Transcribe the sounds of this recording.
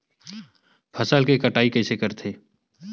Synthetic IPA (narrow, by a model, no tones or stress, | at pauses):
pʰɐsəlkekɐʈaːikɛːsekɐɾt̪ʰeː